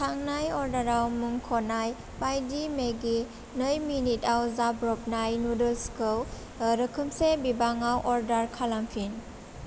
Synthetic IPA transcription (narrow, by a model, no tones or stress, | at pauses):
tʰaŋnajɔɾdaɾawmuŋkʰɔnaj | pajdimeɡi | nəjminitawzabɾɔp̚najnudɯlskɯw | ɾəkʰɯmsebibaŋawʔɔɾdaɾkʰalampʰin